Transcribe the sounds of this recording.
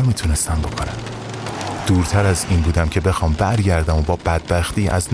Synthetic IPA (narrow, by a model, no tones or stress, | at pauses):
miːt̪ʰune̞st̪æmbo̞kʰonæm | d̪̥uːɾt̪ʰæɾæziːnbuːd̪æmcʰe̞be̞xɒːmbæɾɟæɾd̪æmo̞bɒːbæd̪̥̚bæxt̪iːʔæ̰zn